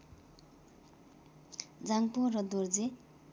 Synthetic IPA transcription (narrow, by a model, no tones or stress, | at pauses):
d͡zaŋporʌd̪urd͡ze